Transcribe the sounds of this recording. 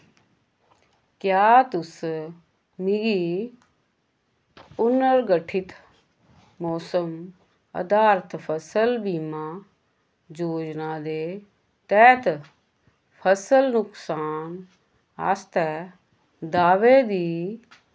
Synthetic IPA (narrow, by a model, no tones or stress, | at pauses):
kjaːt̪ʊs | miɡiː | ʊnːəɾɡəʈʰɪt̪ | mɔːsəm | ə̰d̪aːɾt̪ʰpʰəsəlbiːmãː | d͡ʒoːd͡ʒnaːd̪eː | t̪ɛːt̪ | pʰəsəlnʊksaːn | a̰ːst̪ɛ | d̪aːʋeːd̪iː